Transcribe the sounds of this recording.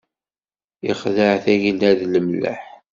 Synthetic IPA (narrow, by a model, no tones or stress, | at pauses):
iχðəʕθæʝəld̪æðləmlə̰ħ